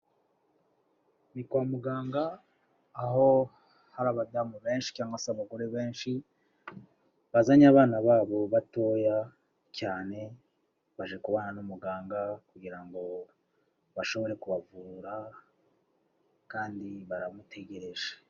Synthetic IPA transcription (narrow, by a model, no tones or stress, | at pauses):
mikwamuɡaːŋɡaː | ɦo̞ | haɾaβadamuβe̞ːnʃi̥caːŋɡwasaβaɡo̞ɾeβe̞ːnʃi | βazaɲaβaːnaβaːβo̞βato̞ja | caːne̞ | βaʒekuβananumuɡaːŋɡakuɡiɾaŋɡo̞ | βaʃo̞βo̞ɾe̞kuβavuːɾa | kaːndiβaɾamutʰe̞ɟe̞ɾe̞ʒe̥